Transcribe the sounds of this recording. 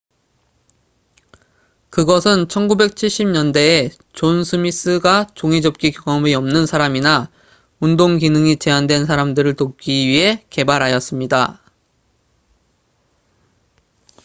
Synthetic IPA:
kɯɡʌsʰɯnt͡ɕʰʌnɡube̞k̚t͡ɕʰiɭɕ͈imɲʌnde̞ː | t͡ɕonsʰɯmis͈ɯɡat͡ɕoŋid͡ʑʌp̚k͈ikjoɡʌmiʌmnɯnsʰaɾamina | undoŋkinɯŋit͡ɕe̞andwe̞ns̬ʰaɾamdɯɾɯɭtop̚k͈iɥiɦe̞ke̞baɾɦajʌs͈ɯmɲida

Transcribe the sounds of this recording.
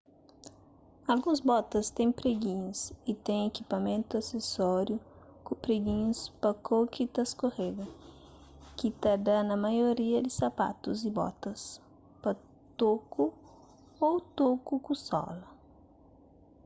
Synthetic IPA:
alɡũzbɔt̪ɐst̪ẽj̃pɾeɡĩɲʊsɪt̪ẽj̃ekipamẽnt̪ʊasesɔɾjʊkʊ̃pɾeɡĩɲʊspɐkʰokit̪ɐskoheɡ̪ɐ | kɪt̪ad̪anɐmajoɾiɐd̪ɪsapa̰t̪ʊzɪbɔ̰t̪ɐs | pɐ | t̪okʊ | owt̪okʊkũsɔ̰lɐ

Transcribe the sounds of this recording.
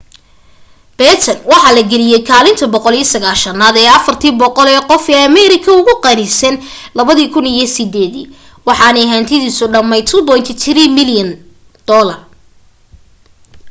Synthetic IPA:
b̥ɛt̪ʰɐnwɑħɑːlɐɡɛlɪjɛjkʰaːlɪnt̪ʰɐbɔqɔlijɐsɐɣaːlʃɐnaːd̪ɛːɐfɐrt̪ʰiːbɔqɔlɛːqɔfɛːɐmɛɾɪkʰɐʊɣʊqɑnɪsɛnlɐβɐðiːkʰʊnijɞsɪd̪ɛːðḭː | wɑħɑːnɐɦaːnt̪ʰɪðiːsʊɖɐmɛjt̪ʰʊbɔjnt̪ʰɪt̪ʰɪɾiːmɪljɐn | d̪̥ɔːlɐr

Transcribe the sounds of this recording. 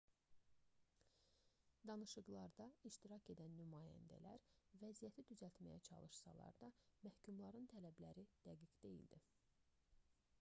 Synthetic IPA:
d̪ɑnɯʃɯɣlˠɑɾd̪ɑiʃt̪iɾɑcʰe̞d̪ænːymɑːjæ̰nd̪æ̰læɾvæzijæt̪ʰid̪yzælt̪mæ̰jæt͡ʃʰɑ̰lˠɯʃsɑ̰lˠɑ̰ɾd̪ɑmæhcʰumlˠɑɾɯnt̪ʰælæblæɾid̪̥æɡiɡd̪e̞jḭld̪i

